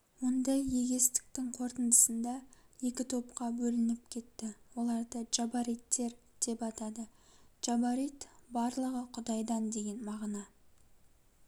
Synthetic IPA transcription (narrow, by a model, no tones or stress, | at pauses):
wo̞nd̪ɑje̞ɡʲe̞st̪ɪ̥k̚t̪ɪŋqʰo̞ɾt̪ənd̪əsənd̪ɑje̞kʲɪt̪ʰo̞p̚qɑbɵlɪnɪpkʲʰe̞t̪ːɪwo̞lˠɑɾd̪əd͡ʒɑbaɾit̪ːe̞ɾd̪̥e̞pɑt̪ɑd̪əʒ̥ɑbɑɾit̪bɑɾlˠəʁəqʰʊd̪ɑjd̪ɑnd̪e̞ɡʲe̞nmɑʁnɑ